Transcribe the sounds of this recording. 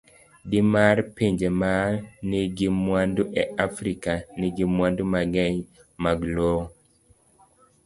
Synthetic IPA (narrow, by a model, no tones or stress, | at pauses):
dimaɾpeɲd͡ʒemaɾniɡimwanduʔɛʔafɾikaniɡimwandumaɡɛɲ | maɡlo